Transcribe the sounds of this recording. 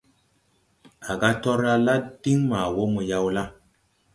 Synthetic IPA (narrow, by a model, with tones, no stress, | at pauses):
a˨ɡa˦tɔ˦ɾa˦la˦d̥i˦ŋma˨wo˦mo˨ja˦wla˦